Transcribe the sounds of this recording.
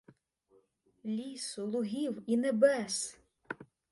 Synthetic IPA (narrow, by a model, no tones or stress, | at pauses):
lʲisʊlˠʊɦʲiwinebɛs